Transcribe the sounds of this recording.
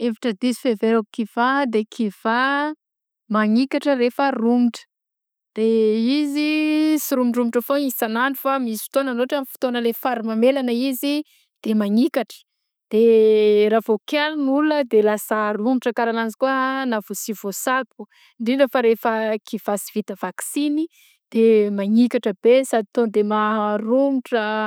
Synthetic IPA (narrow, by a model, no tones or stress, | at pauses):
evaʈ͡ʂəd̪izifeveɾakiv̥ad̪ekʰiv̥a | maŋikaʈ͡ʂəɾefərumiʈ͡ʂə̥ | d̪̥eizisiɾumiɳɖ͡ʐumiʈ͡ʂəfoisanaɳɖ͡ʐufamisi̥fi̥t̪onənoʈ͡ʂamifi̥t̪onəlefaɾimamelanəizi | d̪̥emaŋikaʈ͡ʂə̥ | d̪̥eɾavokalnuləd̪elasaɾumiʈ͡ʂəkaɾananzi̥kuənavusivosad̪̚u | ɳɖ͡ʐiɳɖ͡ʐəfaɾefəkiv̥asivit̪əvaksini | d̪̥emaŋikaʈ͡ʂəbesad̪it̪ond̪emarumiʈ͡ʂə